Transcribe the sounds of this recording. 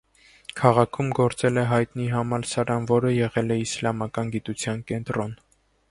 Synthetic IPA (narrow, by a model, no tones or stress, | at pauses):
kʰɑʁɑkʰumɡɔɾt͡sɛlɛɦɑjt̪niɦɑmɑɾsɑɾɑnvɔɾəjɛʁɛlɛislɑmɑkɑnɡit̪ut͡sʰjɑnkɛnt̪ɾɔn